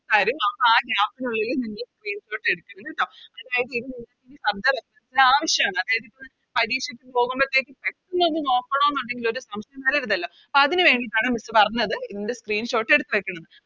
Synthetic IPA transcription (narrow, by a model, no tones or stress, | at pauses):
saːɾumɐʋaːɡaːpːinuɭːɐilniŋːɐɭskriːnɕo̞ːʈːe̞ɽukːuɳɐnːeʈːoːɐðaːjɐðɨiðuninːɐinisɐbd̪ɐresɾɐnsilaːʋɐɕjɐmaːɳɨɐðaːjɐðikʲːu | pɐɾiːɕjɐkʲːɨpo̞ːɣumbɐt̪ːeːkːɨpekːunːo̞nːɨno̞ːkːɐɳoːenːuɳɖe̞ŋɡilo̞ɾusɐmst̪ɐjɐmːɐːliɾunːɐlːoːɐpoɐðinɨʋe̞ːɳɖit̪ːaːɳɨmisɨpɐrɐɲːɐðɨiðinde̞skriːnɕo̞ːʈːe̞ɽut̪ːuʋekʲːɐɳɐnːɨ